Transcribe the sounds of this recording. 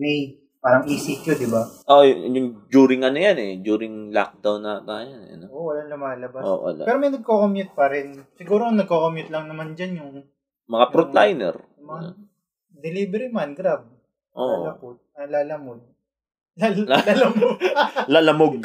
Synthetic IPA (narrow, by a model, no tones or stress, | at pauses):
mɛj | paːɾɐŋʔiːsɪkjod̪ɪbaʔojʊjʊŋd͡ʒuːɾɪŋʔɐnojanɛd͡ʒuːɾɪŋla̰k̚d̪awnːɐt̪ajɐnɛ̰ʔɐ̰noʔowɐlaŋlʊmaːlɐbaʔso̰ːʔo̰pɛːɾomɐjnɐɡ̚kokomjʊt̪̚pɐɾɪnsɪɡuːɾoŋnɐɡ̚koːkomjʊt̪̚lɐŋnɐmand͡ʒanjʊŋ | mɐŋapɾot̪lajnɛ̰ɾ | mɐŋa | d̪ɛlibɛɾimanɡɾab̚ | ʔo̰ʔlɐmod̪̚nɐlaːlɐmod̪̚ | laalalɐmoɡlaːlɐmoɡ̚